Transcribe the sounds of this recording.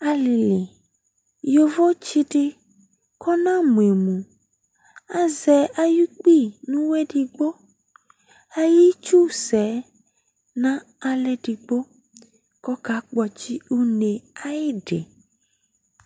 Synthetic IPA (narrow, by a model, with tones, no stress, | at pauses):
a˨lɪ˨lɪ˨ | jo˨vo˦t͡ʃɪ˦ɖɪ˦ | kʰɔ˦nã˦mũ˨e˨mũ˨ | a˨zɛ˨˦ʔa˨ju˦k͡pi˦˨nũ˦wɛ˦ɖɪ˨ɡ͡bo˦ | a˨ji˦t͡ʃu˦sɛ˨˦ | nã˦ | a˨lɛ˦ɖɪ˨ɡ͡bo˦ | kɔ˦ka˨˦k͡pɔ˨t͡ʃi˦u˦ne˨a˦jɪ˦ɖɪ̰˨